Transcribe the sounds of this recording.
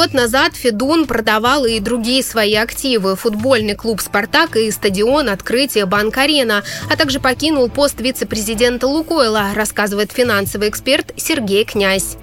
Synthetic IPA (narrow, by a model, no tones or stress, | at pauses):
ɡo̞t̪nɐzat̪fʲɪd̪unpɾəd̪ɐvalˠɨɪd̪ɾʊɡʲijəsvɐiɐktʲivɨfʊd̪bo̞lʲnɨjklˠupspart̪akɨɪst̪ədʲɪo̞nɐt̪kɾɨtʲɪjəbankɐɾʲenəɐt̪aɡʐɨpɐkʲinʊlˠpo̞st̪vʲit̪sɨpɾʲɪzʲɪdʲe̞nt̪əlˠʊko̞ɪlˠəɾɐskazɨvəjɪt̪fʲɪnansəvɨjɪkspʲe̞rt̪sʲɪrɡʲejknʲæsʲ